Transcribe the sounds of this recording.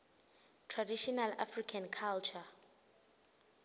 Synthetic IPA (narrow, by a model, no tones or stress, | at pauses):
tʰradiʃɔnalafrikʰankʰalt͡ʃʰa